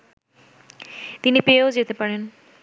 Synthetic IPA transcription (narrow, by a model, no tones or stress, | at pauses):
t̪inipeod͡ʑet̪epaɾen